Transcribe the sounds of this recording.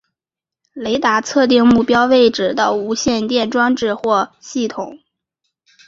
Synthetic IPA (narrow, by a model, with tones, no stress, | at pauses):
le˧˥ɪt̪a˧˥t͡sʰɤ˥˧t̪̬i˥˧ŋmu˥˩pjɑ˥ʊwe˥˩ɪʈ͡ʂɻ̩˥˩d̪ə˧u˧˥ɕjɛ˥˧nt̪jɛ˥˩nʈ͡ʂwɑ˥ŋʈ͡ʂɻ̩˥˧xwɔ˥˩ɕi˥˩t̪ʰʊ˨˩˦ŋ